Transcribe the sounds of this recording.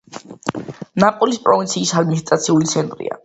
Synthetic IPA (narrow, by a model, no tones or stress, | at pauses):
napʼulispʼɾɔvint̪sʰiːsad̪̚minist̪ʼɾat̪sʰiulit̪sʰɛnt̪ʼɾḭa̰